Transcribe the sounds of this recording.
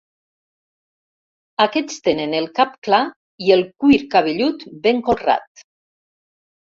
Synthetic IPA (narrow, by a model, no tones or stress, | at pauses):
akɛt͡st̪enenelˠkapkla | ielˠkuiɾkaβeʎut̪beŋkolra̰t̪̚